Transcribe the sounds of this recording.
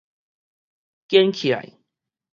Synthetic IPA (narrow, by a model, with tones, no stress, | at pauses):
kjɛ˦nkʰi˨la̰˨j